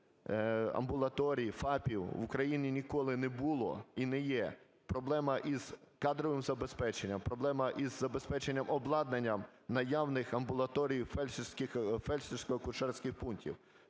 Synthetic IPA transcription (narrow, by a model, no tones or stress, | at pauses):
ɐ̰mbʊlˠɐt̪ɔɾʲijifɑpʲiwwukɾɐjinʲinʲikɔlˠɪnɛbulˠɔ̰inɛjɛ | pɾɔblˠɛmɐʔiz̥kɑd̪ɾɔʋɪmzɐbespɛt͡ʃenʲːɐmpɾɔblˠɛmɐʔizːɐbespɛt͡ʃenʲːɐmɔblˠɑd̪nenʲːɐmnɐjawnɪxɐmbʊlˠɐt̪ɔɾʲijfɛssʲkɪxfɛlʲsʲɪsʲkɔɔkʊʃɛrsʲkɪxpuntʲḭw